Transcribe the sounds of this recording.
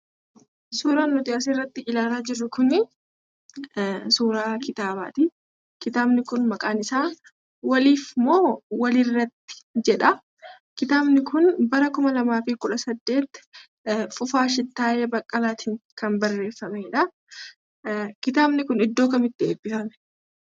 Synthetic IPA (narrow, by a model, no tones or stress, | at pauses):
suːɾaːnːʊt̪ɪʔas̬erːɐt̪ːɪʔɪlaːlaːd͡ʒɪɾːʊkʊnɪ | suːɾaːkɪt̪aːβa̰ːt̪ɪ | kɪt̪aːbnɪkʊnmɐkʼaːnɪsaː | wɐliːfmoːwɐlɪrːɐt̪ːɪ̥d͡ʒɛᶑɐ | kɪt̪aːbnɪkʊnbɐɾɐkʊmɐlɐmaːfɪkʊᶑɐsɐd̪ːe̞ːt̪ | fʊfaːʃ̬ɪt̪ːaːʔeːbɐkʼːɐlaːt̪ʰɪŋkɐnbɐrːe̞ːfːɐmɛᶑɐ | kɪt̪aːbnɪkʊnɪd̪ːo̞ːkɐmɪt̪ːɪḛːbːɪfɐmɛ̥